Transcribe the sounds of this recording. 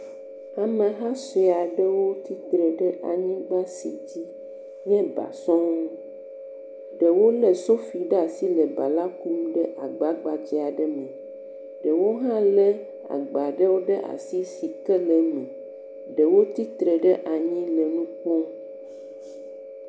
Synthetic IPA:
a˨mẽ˨ɦã˦se˨a˨ɖə˦wo˦t̪i˦t̪ɾe˨ɖə˦ʔa˨ɲĩ˦ɡ͡ba˦sḭ˨d͡ʑi˦ | ɲɛ̃˦ba̰˨sɔ̃˦ũ˦ | ɖə˨wo˦le˨so˦fi˨ɖa˨si˦le˨ba˨la˦ku˦mɖə˦ʔa˨ɡ͡ba˨ɡ͡ba˨d͡ʑi˨a˨ɖə˦mẽ˨ | ɖə˨wo˦ɦã˦le˦ | a̰˨ɡ͡ba˨ɖə˦wo˦ɖə˦ʔa̰˨si˦si˨kə˦lə˦mẽ˨ | ɖə˨wo˦t̪i˦t̪ɾe˨ɖə˦ʔa˨ɲĩ˦lə˨nũ˦k͡po˦

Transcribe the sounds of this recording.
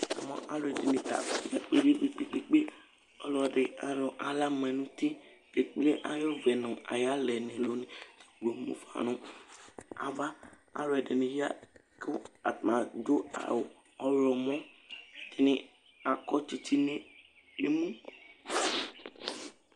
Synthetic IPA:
a̰˨mɔ̰̃˨ʔa˦lɛ˨dɪ˨nĩ˨t̪a̰˨fja˦k͡pe˦de˦we˨k͡pe˦˨k͡pe˦k͡pe˦ | ɔ˦lɔ˨ɖɪ˨a˨ɾɔ˨ʔa˨la˦mɛ̃˨nũ˦t̪i˦ke˨k͡ple˦ʔa˨jɔ˦vɛ˨nʊ̃˨a̰˨ja˦lɛ˨nĩ˨lo˨˦nĩ˨ɡo˨mṵ̃˦fa̰˨nʊ̃˦ | a̰˨ba˦ | a̰˨lo˦ɛ˨dɪ˨nĩ˨ja˦ | ko˦a˨t̪mã˨d͡ʒo˦a̰˨w | ɔ˦ɾɔ˨mɔ̃˦˨ | dɪ˨nɪ̃˨ | a˨kɔ˦t͡ʃi˦t̪i˦nẽ˦ | e˦mũ˦

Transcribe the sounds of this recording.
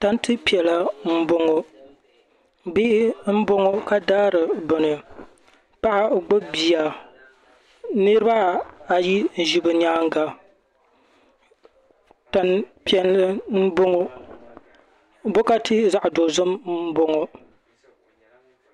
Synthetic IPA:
ta˦ntɨ˦pi˨ɛ˨la˨m̩˦bo˦ŋo˨ | bi˦ʔm̩˦bo˦ŋo˦ka˦daː˦ɾɨ˨bʊ˨nɨ˨ | pa˦ʔa˨ɡ͡bo˦bi˨a˨ | nɨ˦ɾɨ˦ba˦a˨ji˦n̩˨ʒi˦bɨ˨ɲaː˦ŋ˦ɡa˨ | ta˨npi˨ɛ˨llɨ˦n̩˦bo˦ŋo˦ | bo˦ka˦tɨ˦za˦ʔdo˨zʊ˦m̩˦bo˦ŋo˨

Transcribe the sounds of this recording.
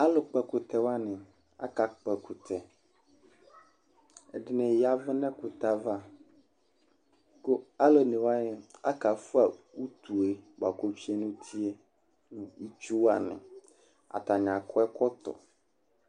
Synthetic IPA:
a˦lo˨k͡pɛ˨kʊ˨t̪ɛ˨wa˦nɪ̃˨ | a̰˦ka˨k͡pɛ˨kʰu˨t̪ʰɛ˨ | ɛ˨dɪ˨˦nɛ̃˨ja˦vɪ˦nɛ̃˦kʊ˨t̪a˦va˦ | ko˦a˦lo˦nẽ˨wa˦ɲɪ˦a˦ka˨fu˦a˨wu˦t̪u˨e˨ba˨ko˦t͡ɕi˦e˦nũ˦t̪ʰi˦e˦ | nũ˨i˦t͡ʃu˦wa˨nɪ̰̃˨ | a̰˨t̪a˨ɲã˨kʰɔ˦ɛ˦kɔ˦t̪ɔ̰˨

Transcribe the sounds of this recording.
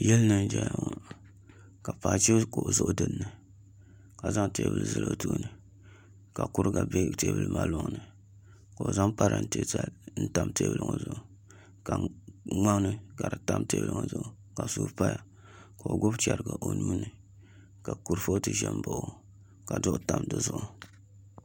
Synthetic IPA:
jɛ˦lnɨ˦nd͡ʒɛ˨jŋ˨ | ka˨pa˨t͡ʃe˦ko˨ʔzʊ˦ʔʊ˦dɨ˦nːɨ˨ | ka˨za˦ŋte˦bɨ̰˨lzɨ̰˦lʔo˨˦tuː˦nɨ˨ | ka˨ku˦ɾɨ˦ɡa˨be˦te˦bɨ˦˨lma˨lo˨ŋnɨ˨ | ka˨o˨za˦ŋpa˦ɾa˨n˦te˦ta˨n̩˦ta˦mteː˦bɨ˨lɨ˦ŋo˦zʊ˨ʔu˨ | ka˨ŋa˦ŋ˦nɨ˦ɡa˨ɾɨ˨ta˦mteː˦blɨ˨ŋo˨zʊ˨ʔʊ˨ | ka˨suː˦pa˦ja˨ | ka˨o˨ɡo˦btɛ˨ɾɨ˨ɡa˨ʔo˨nuː˦nɨ˨ | ka˨ku˨ɾfo˦ʔtɨ˨ʒɛ˦m˦bo˨ʔʊ˦ | ka˨dʊ˦ʔʊ˦ta˦mdɨ˨zʊ˦˨ʔʊ˦

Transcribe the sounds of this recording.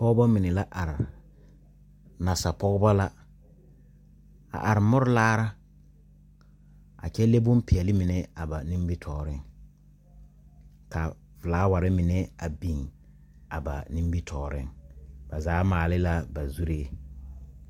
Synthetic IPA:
pɔ˦ɣba˦mɪ˨nɛ˨la˦ʔa˨ɾɪ˨ | na˨sa˨pɔ˦ɣba˦la˦ | a̰˨ʔa˨ɾɪ˨mɔ˦ɾʊ˦laː˦ɾa˦ | a̰˨t͡ʃɛ˦le˦bʊ˦mpɪ˨ɛ˨lɪ˦mɪ˨nɛ˦a˨ba˨ni˦m˦bi˦tʰɔː˨ɾɪ˦ŋ | ka˨ | vɪ˨laː˨˦wa˨ɾɪ˦mɪ˨nɛ˦a˨bi˨ŋ | a˨ba̰˨nĩ˦mbi˦tʰɔː˨ɾɪ̰˦ŋba˨zaː˨˦maː˨lɪ˦la˦ba˨zu˦ɾe˦

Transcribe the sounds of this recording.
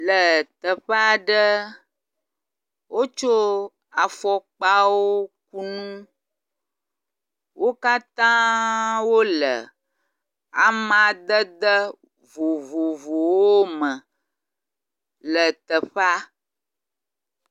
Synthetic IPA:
lə˨t̪ə˨ɸa˦ɖə˦ | wʔo˦t͡ʃo˦ | a˨fɔ˦k͡pa˦wo˦k̚u˦nũ˦ | wʔo˦ka˦t̪ã˦wo˦lə̰˨ | a̰˨mã˨d̪ə˦d̪ə˦ | vo˨vo˨vo˨wwo˦mə̃˨ | lə˨t̪ə˨ɸa˦

